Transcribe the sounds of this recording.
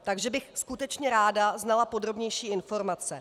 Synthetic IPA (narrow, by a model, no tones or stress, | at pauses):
t̪aɡʒɛbɪxskut̪ɛt͡ʃɲɛɾaːdaznalapo̞d̪ɾo̞bɲɛjʃiːɪnfo̞ɾmat͡sɛ